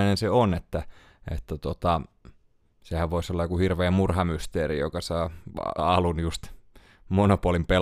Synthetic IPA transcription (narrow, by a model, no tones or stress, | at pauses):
inenseonet̪ːæ | ḛt̪ːæt̪ot̪ɑ | sehæʋʋoisolːɑjokuhirʋeːmmurhɑmyst̪eːrḭjo̰kɑsɑːɑlunjust̪ | monopuolimpe